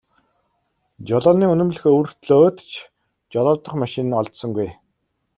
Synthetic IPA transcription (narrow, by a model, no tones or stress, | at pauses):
t͡ɕɔɮɔːniːɵnɵ̆mɮɘ̆xɵwr̥t̪ɮoːt̪t͡ɕʰ | t͡ɕɔɮɔːt̪ə̆χmaʃɪ̆nɔɮt̪sɞ̆ŋɡuj